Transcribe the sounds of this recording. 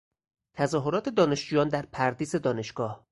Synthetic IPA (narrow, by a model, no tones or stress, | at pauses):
t̪ʰæzɒːɦoɾɒːt̪ʰe̞d̪ɒːne̞ʃd͡ʒuːjɒːnd̪æɾpʰæɾd̪iːze̞d̪ɒːne̞ʃɡ̥ɒːh